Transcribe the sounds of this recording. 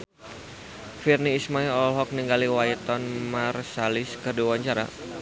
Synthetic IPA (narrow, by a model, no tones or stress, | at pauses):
firniːsmaiɔlɦɔk̚niŋɡaliwajt̪ɔnmarsalɪskərdiwaɲt͡ʃaɾa̰